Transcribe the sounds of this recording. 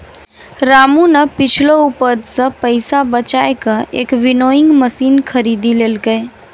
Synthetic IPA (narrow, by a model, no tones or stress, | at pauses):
ɾamunəpɪt͡ʃʰloupəɾsə̃pəjsabət͡ʃaekə̃ḛkʋinoĩŋɡməsiːnkʰəɾid̪ilelɡəj